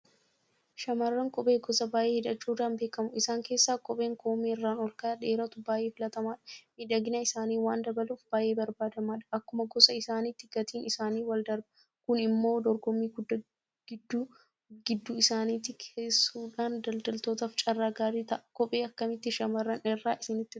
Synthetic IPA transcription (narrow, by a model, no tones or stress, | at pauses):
ʃɐmɐrːɐŋkʼɔpʼe̞ːɡɔsɐbaːjʔeːhɪᶑɐt͡ʃːuːᶑaːnbeːkɐmʊɪsaːŋke̞ːsːaːkʼɔpʼe̞ːŋkʰoːmeːɪrːaːnɔlkaːᶑe̞ːɾɐt̪ʊbaːʔeːfɪlɐt̪ɐmaːᶑɐ̥mɪᶑɐɡɪnɐɪsaːniːwaːnd̪ɐbɐluːfb̥aːjʔe̞ːbɐɾbaːd̪ɐmaːᶑɐ̥ɐkːʊmɐɡɔsɐɪsaːnɪt̪ːɪɡ̥ɐt̪iːnɪsaːniːwɐld̪ɐɾbɐ | kʊnɪmːo̞ːd̪ɔɾɡɔmːiːɡʊd̪ːɐ | ɡ̥ɪd̪ːu | ɡɪd̪ːuɪsaːniːt̪ːɪkʰeːsːuːᶑaːnd̪ɐld̪ɐlt̪o̞ːt̪ɐft͡ʃʼɐrːaːɡaːɾiːt̪ɐʔɐkɔpʼe̞ːɐkːɐmɪt̪ːɪʃɐmɐrːɐnɛrːaːʔɪsɪnɪt̪ːɪ